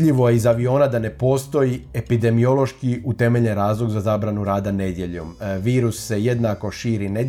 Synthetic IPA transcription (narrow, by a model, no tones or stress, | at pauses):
ʎiʋo̞jeizaʋio̞ːnad̪ane̞po̞ːst̪o̞jiepid̪e̞mio̞lˠo̞ʃkiut̪e̞me̞ʎeɾaːzlˠo̞ɡzazaːbɾanuɾaːd̪ane̞d̪je̞ʎo̰mʋiːɾusːe̞je̞d̪nako̞ʃiːɾine